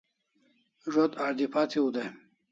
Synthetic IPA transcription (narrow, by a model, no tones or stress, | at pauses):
ʐot̪aɾd̪ipat̪ʰiud̪e